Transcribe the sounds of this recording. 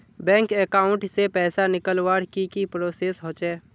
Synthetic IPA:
bɛ̃ːŋkekaːʊ̃ɳʈsepɛːsanɪkəlwaːɽkikipɾoːseːsɦoːt͡ʃɛː

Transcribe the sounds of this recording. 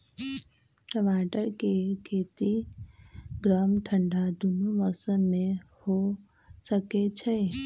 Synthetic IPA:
kəʋaːʈəɾkekʰeːt̪i | ɡɾaːmʈʰə̃ɳɖʱad̪unuʋəsənmẽ | ho | səket͡ʃʰe

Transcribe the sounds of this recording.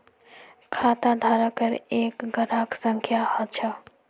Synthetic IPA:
kʰaːt̪ad̪ʱaɾəkəɾeːkɡʱəɾaːksə̃ŋkʰjahət͡ʃʰə

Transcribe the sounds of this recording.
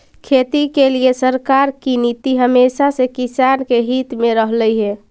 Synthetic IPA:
kʰet̪ikeliesəɾkaɾkinit̪iɦəmesasekisankeɦit̪meɾəɦləjɦe

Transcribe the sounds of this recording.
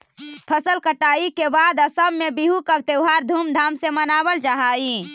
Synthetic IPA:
pʰəsəlkəʈaikebad̪əsəmːebiɦukəbt̪ewɦaɾd̪ʱumd̪ʱamsemənabəld͡ʒaɦai

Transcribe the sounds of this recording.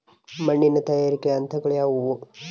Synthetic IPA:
mɐɳːinːɐt̪ɐjaːɾikːɐnt̪ɐɡɐɭejaːʋuʋu

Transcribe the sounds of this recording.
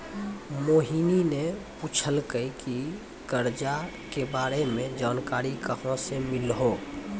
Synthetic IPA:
moːɦininepuːt͡ʃʰəlkəiki | kəɾd͡ʒa | kebaːɾemẽd͡ʒaːnkaːɾikəɦõsemɪlɦoː

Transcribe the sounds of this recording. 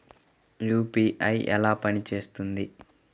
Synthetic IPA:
juːpiːʔɐjʔɛ̰laːpɐnit͡ʃe̞ːst̪und̪i

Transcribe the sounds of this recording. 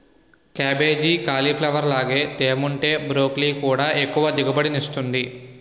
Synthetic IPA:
kaːbe̞ːd͡ʒiːkaːlipʰlɐʋɐɾlaːɡe̞ːt̪eːmuɳʈeːbɾo̞ːkliːkuːɽaːʔe̞kːuʋɐd̪iɡɐbɐɽiniʂt̪und̪i

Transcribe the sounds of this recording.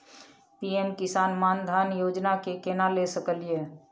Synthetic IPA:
piemkisanmand̪ʱanjod͡ʒnakekenalesəkəlije

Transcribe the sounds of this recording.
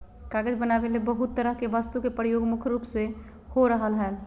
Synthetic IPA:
kaɡəd͡ʒbənabelebəɦut̪ːəɾəɦkeʋəst̪ukepɾəjoɡmukʰɾupse | hoɾəɦəlɦəl

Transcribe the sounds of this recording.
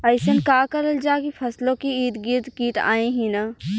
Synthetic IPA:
ɐɪsənkaːkɐɾəld͡ʒaːkipʰɐslõkiiːd̪ɡɪɾd̪kiːʈa̰ːẽɦĩna

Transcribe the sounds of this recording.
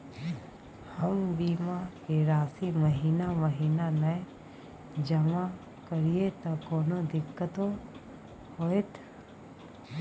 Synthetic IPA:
həmbiːmakeɾaːsiməɦiːnaməɦiːnanə | d͡ʒɐma | kəɾijet̪ɐkoːnod̪ɪkːət̪o | hoːt̪

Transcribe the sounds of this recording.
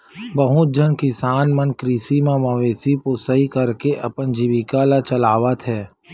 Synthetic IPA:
bəɦʊd͡ʒənkɪsaːnmənkɾisimãməʋeːsiposəɦikəɾkeʔɐpənd͡ʒiʋikalat͡ʃəlaːʋət̪ɦɛː

